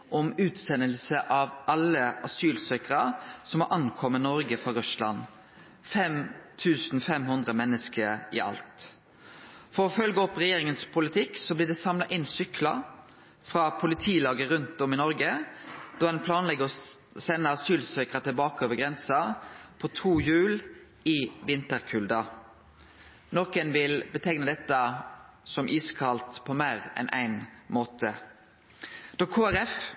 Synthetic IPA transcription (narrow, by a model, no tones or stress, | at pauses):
ʔɔmʉːt̪sɛnːəlsəʔɑʋʔɑlːəʔɑsyːlsœkəɾɑsɔmɑʔɑnkʰɔmːənɔɾɡəfɾɑɾʉslɑ̰n | fɛmt̪ʰʉːsn̩fɛmhʉnd̪ʁəmɛnːəskəɪ̰ʔɑ̰lt̪ | fɔɾɔfœlɡəɔpːʁɛjeːɾɪŋənspʰʊlɪt̪ʰɪkːsɔblɪɖ̪ɛsɑmlɑʔɪnːsʏklɑ | fɾɑpʰʊlɪt̪ʰiːlɑːɡəɾʉnt̪ɔmɪnɔɾɡəd̪ɑːd̪ɛnpʰlɑːnlɛɡəɔ | sɛnːəɑsyːlsøːkʁət̪ʰɪlbɑːkəoːʋəɡʁɛnsɑpʰɔt̪ʰuːjʉːl | ɪʋɪnt̪əʁkʰʉld̪ɑ | nɔkənʋɪlbət̪ʰɛɡnəd̪ɛt̪ːə | sɔmʔiːskʰɑlt̪pʰɔmæːʁɛ̰nʔæ̰ɪnmoːt̪ʰə | d̪̥oːkʰoːæɾɛf